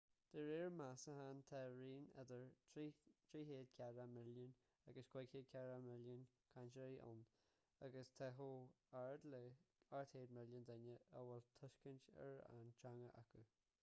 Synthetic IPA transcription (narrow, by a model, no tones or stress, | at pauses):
d̪̥əɹeɹmasəɦant̪ʰɛɹiːnɛ̰d̪əɹ | t̪ʰɾiːɦeːd̪̚kʲʰaɹamɪlən | aɡəsɡ̥wɛɡheːd̚kʰʲaɾamɪljən | kʰant͡ʃəɾiːʔʊ̰n | aɡəst̪ʰɛɦo | aɹd̪ləaɹt̪ʰheːd̪mɪljənd̪ɛnəʔəwɛlt̪ʰʊʃkəntɛ̰ɹa̰nt͡ʃʰaŋəʔa̰kʰə